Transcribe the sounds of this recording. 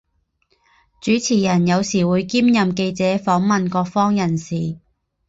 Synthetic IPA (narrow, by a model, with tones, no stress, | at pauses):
t͡ʃyː˨˥t͡sʰiː˨˩jɐ˨˩njɐ˨˧wsiː˨˩wuː˨˧jkiː˥mjɐ˨mke˧jt͡sɛː˨˥fɔː˨˥ŋmɐ˨nkɔː˧k̚fɔː˥ŋjɐ˨˩nsiː˨˩